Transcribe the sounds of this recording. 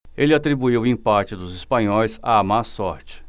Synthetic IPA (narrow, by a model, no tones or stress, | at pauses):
elɪat̪ɾibuiwʊĩpat͡ʃɪd̪ʊzispɐ̃ɲɔjsa̰ːmasɔɾt͡ʃɪ̥